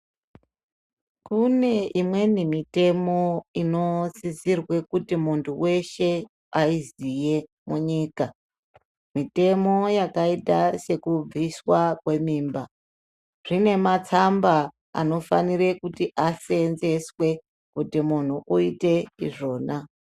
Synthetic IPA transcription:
kune̞imwe̞nimite̞mo̞ino̞zizirwe̞kutimuntʰuwe̞ʃe̞ | aizije̞ | muɲiːka | mite̞mo̞jakaitase̞kub͡viswakwe̞miːmba | ʐ̥ine̞mat͡samba | a̰no̞faniɾe̞kutiʔase̞nze̞swe̞ | kutimun̤uʔuite̞iʐo̞ːna

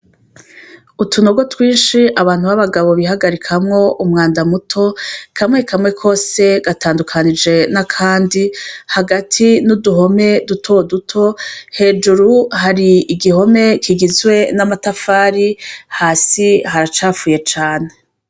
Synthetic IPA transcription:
utunoɡotwiːnʃiʔaβaːn̥huβaβaɡaβo̞βihaɡaɾikʰamŋo̞ʔumŋaːndamutʰo̞kʰamŋe̞kamŋe̞kʰo̞ːse̞ɡataːndukʰanid͡ʒe̞nakʰaːndihaɡatʰinuduɦo̞me̞dutʰodutʰo̞he̞ːd͡ʒuɾuhaɾiːɡiho̞me̞kʰiɡizɡwe̞namatafaːɾihaːsiɦaɾat͡ʃaːfuːje̞t͡ʃaːne

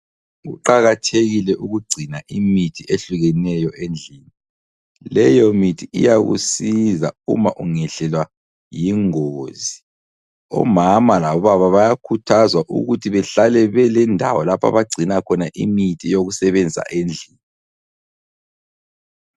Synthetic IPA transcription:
ɣṵǃaɣatʰeɣilɛʔuɣuɡ͡ǀʱinaʔimitʰieɬuɣɛnɛjɔʔend͡ɮʱiːni | lɛjɔmitʰiḭjaɣṵsiza̰ṵmaʔuŋɛɬɛlwa | jiŋoːzi | ɔ̰mamalaβɔβaβaβajakʰutʰazwaʔṵɣutʰiβɛɬalɛβɛlɛndʱawɔlapʰa̰βaɡ͡ǀʱinakʰɔnaʔḭmitʰijoɣusɛβɛnd͡zʱi̥a̰ʔend͡ɮʱiːni

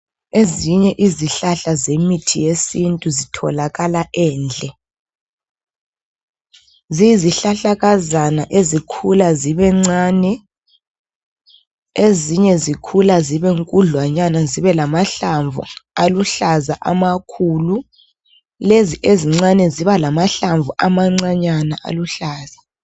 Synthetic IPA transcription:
eziɲɛʔiziɬaɬazemitʰijesintʼuzitʰɔ̰laɣalaʔɛːnd͡ɮʱɛ | ziziɬaɬaɣazanaʔezikʰulaziβɛŋ͡ǀaːnɛ | eziɲɛzikʰulaziβɛŋkʼuɮwaɲanaziβɛlamaɬaɱvṵaluɬazaʔa̰makʰuːlu | leziʔeziŋ͡ǀanɛziβalamaɬaɱvuʔamaŋ͡ǀaɲanaʔa̰luɬaːza

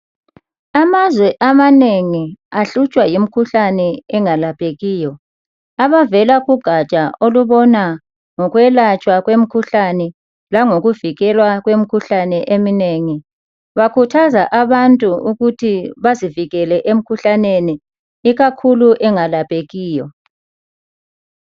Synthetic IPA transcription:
amazwɛʔamaneŋiaɬut͡ʃʼwajim̩kʰuɬanɛɛŋalapʰʼeɣiːjɔ | aβavɛlaɣuɡ̥ʱat͡ʃʼaoluβɔna | ŋɔɣwɛlat͡ʃʼwaɣwem̩kʰuɬanɛ | laŋoɣuviɣɛlwaɣwem̩kʰuɬanɛʔemineŋi | βakʰutʰazaʔaβantʼuuɣutʰiβaziviɣɛlɛʔem̩kʰuɬaneni | iɣakʰuluʔɛŋalapʼeɣiːjɔ

